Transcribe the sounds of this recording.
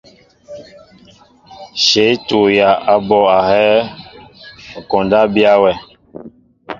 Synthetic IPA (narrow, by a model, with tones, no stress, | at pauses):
ʃe˨˦i˦tu˨ja˨ʔa˨bɔ˨a˨hɛ˦ | ŋ̩˨kɔ˨nda˦bi˦a˦wɛ˨